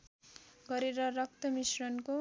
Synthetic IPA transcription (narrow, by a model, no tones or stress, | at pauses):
ɡʌɾeɾʌrʌk̚t̪ʌmisrʌnko